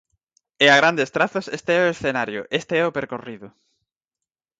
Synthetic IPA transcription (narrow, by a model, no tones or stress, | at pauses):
eaɣ̞ɾand̪est̪ɾaθose̞st̪eeoesθenaɾjo̰ʔest̪eeopeɾkoriðu